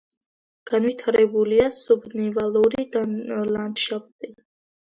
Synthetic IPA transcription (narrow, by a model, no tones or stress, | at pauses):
ɡ̥anvit̪ʰaɾɛbuliasɔbnivalˠuɾid̪aland̪ʃap̚ʰt̪ʼi